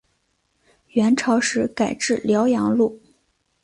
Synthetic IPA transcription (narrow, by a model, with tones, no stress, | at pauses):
ɥɛ˧˥nʈ͡ʂʰɑ˧˥ʊʂɻ̩˧˥ka˨˩ɪʈ͡ʂɻ̩˥˩ljɑ˧˥ʊjɑ˧˥ŋlu˥˩